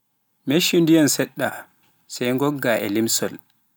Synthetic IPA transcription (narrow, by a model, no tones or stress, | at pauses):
meʃindijansɛɗːa | sɛjŋɡɔɡːaʔɛ̰limsɔl